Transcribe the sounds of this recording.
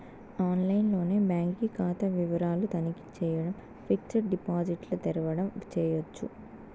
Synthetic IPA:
aːnlɐjnlo̞ːne̞ːbaːŋkikaːt̪ɐʋiʋɐɾaːlut̪ɐniki̥t͡ʃɛːjɐɽɐm | fik̚t͡ʃɐɾɖipaːd͡ʒiʈlɐt̪iɾɐʋɐɽɐmt͡ʃɛːjɐt͡ʃːu

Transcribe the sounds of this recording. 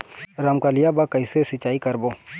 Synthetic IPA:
ɾamkalijabakɐisesɪt͡ʃaːikɐɾbo

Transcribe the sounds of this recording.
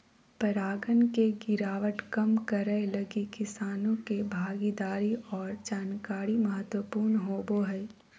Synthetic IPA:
pɐɾaːɡənkeɡɪɾaːʋəʈkɐmkɐɾəelɐɡikɪsaːnõkebʱaːɡid̪aːɾiɔːɾd͡ʒaːnkaːɾimɐɦət̪wəpuːɾnɦoːboɦɛ

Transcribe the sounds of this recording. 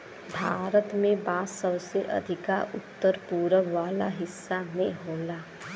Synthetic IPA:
bʱaːɾət̪mẽbaːsəbseʔɐ̰d̪ʱɪkaʔʊt̪ːəɾpuːɾəʋaːla̰ɦɪsːamẽɦoːlaː

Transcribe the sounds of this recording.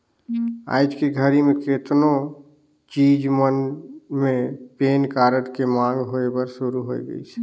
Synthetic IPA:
a̰ɪd͡ʒkeɡʱəɾimẽket̪no | t͡ʃid͡ʒmənmepenkaɾəʈkemãŋɡɦoebəɾsuɾuɦojɡə̰it͡ʃʰ

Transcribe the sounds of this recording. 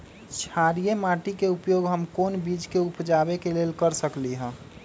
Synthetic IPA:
t͡ʃʰaɾijemaʈikeupjoɡɦəmkoːnbid͡ʒkeupd͡ʒabekeleːlkəɾsəkliɦə̃ː

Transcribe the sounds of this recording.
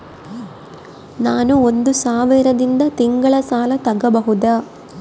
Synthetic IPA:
naːnuond̪usaːʋiɾɐd̪ind̪ɐt̪iŋɡɐɭɐsaːlɐt̪ɐɡːɐbɐɦud̪aː

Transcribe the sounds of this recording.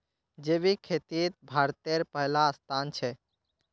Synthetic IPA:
d͡ʒebikʰet̪it̪̚bʱaɾt̪eɾpəɦlaːst̪ʰant͡ʃʰɛ

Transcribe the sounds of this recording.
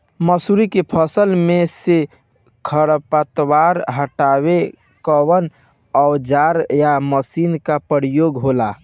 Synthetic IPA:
məsuɾikepʰəsəlmese | kʰəɾəpat̪waɾɦəʈaβe | kəwən | əwd͡ʒaɾjaməsinkapəɾijoɡɦola

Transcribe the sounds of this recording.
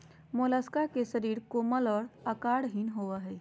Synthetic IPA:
molaːskakeʃəɾiːɾkoːməlɔːɾəkaːɽɦinɦoʋaɦɛː

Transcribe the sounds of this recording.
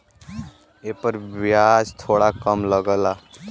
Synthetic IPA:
epəɾbjad͡ʒt̪ʰoɽakəmləɡəla

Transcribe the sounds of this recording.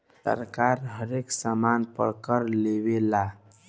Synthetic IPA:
ə̰ɾkaɾɦəɾeksəmanpə̰ɽkəɾlebela

